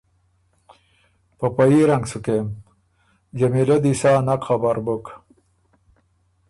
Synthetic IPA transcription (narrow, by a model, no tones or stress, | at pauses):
pɐpɐiɾɐŋɡsukem | d͡ʑɐmilɐd̪isaːnakχabaɾbuk